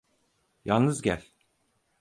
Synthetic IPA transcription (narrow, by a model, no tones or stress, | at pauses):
ja̰lˠnɯzɟælʲ